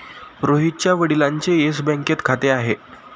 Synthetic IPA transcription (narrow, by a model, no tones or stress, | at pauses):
pɾoɦit̪̚t͡ɕjaʋəɽilaɲt͡seesbɛ̃ŋket̪kʰat̪eaɦe